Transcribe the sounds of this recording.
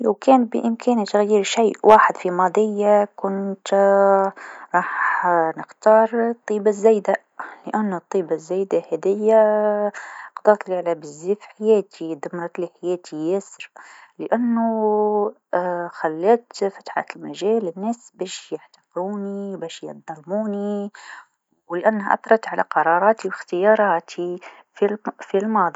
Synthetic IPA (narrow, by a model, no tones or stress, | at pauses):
lawkæːnbɪ̰ʔɪmkʰæːnit̪aɣjiːɾʃijːʔwaːħɪd̪fimɑːd̪ˤɪjːakʊnt̪ | ɾˤɑːħnɪxt̪ɑːɾˤt̪ˤːiːbazːajd̪a | lɪʔanːʊt̪ˤːiːbazːajd̪ahæd̪ɪjːa | qd̪ˤɑːt̪lɪʕlabɪzːiːfħajæːt̪ʰid̪amːɑɾˤɑt̪liħajæːt̪ʰijasɾlɪʔanːu | xalːæːt̪fḁt̪ħa̰t̪əlmaʒæːlɪnːæːsbæːʃjaħt̪ɑ̥quːniwbæːʃjɑ̰d̪ˤɑlmuːni | wlɪʔanːhaʔɑ̰t̪ˤɾˤɑt̪ʕalʔaqɑɾˤɑːɾˤɑːt̪iwɪxt̪əjɑːɾˤɑːt̪ʰi | filfilmɑːd̪ˤi